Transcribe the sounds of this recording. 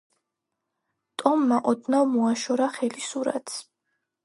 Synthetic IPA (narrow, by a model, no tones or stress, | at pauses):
t̪ʼɔmːaʔɔd̪navmɔaʃɔɾaχɛlisuɾa̰t̪ʰs